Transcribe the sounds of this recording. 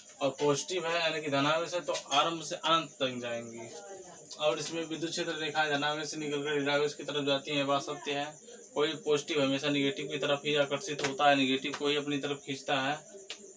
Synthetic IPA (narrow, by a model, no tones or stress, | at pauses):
ɔːɾpoːd͡ʒɪʈɪbɦɛɛːlẽkid̪ʱɐnaːʋesɛ̃t̪oʔaːɾə̃mbʱseʔənə̃nt̪t̪ɐŋd͡ʒaːẽːŋɡiː | ɔːɾɪsmẽʋɪd̪jut̪̚t͡ʃʃʰeːt̪ɾəɾeːkʰaɛd̪ʱɐnaːʋesenɪkəlkeɪɾaːɡeskit̪əɾəpʰd͡ʒaːt̪iɦɛ̃baːsɐk̚t̪eɦɛ̃ː | koːipoːd͡ʒɪʈɪbɦɐmeːʃanɪɡeːʈɪbkit̪əɾəpʰɦiakəɾsɪt̪ɦoːt̪aɦɛnɪɡeːʈɪbkoːiɐpnit̪əɾəfkʰĩːt͡ʃt̪aɦɛː